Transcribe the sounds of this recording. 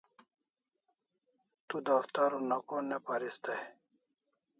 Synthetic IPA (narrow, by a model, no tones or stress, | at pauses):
t̪ud̪aft̪aɾonakonepaɾist̪aj